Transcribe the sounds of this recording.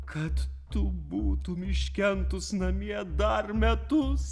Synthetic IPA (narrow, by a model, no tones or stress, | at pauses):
kʰɐt̪ːʊbuːt̪ʊmʲɪʃʲkʲɛnt̪ʊsnɐmʲiɛd̪ɐrmʲɛt̪ʊs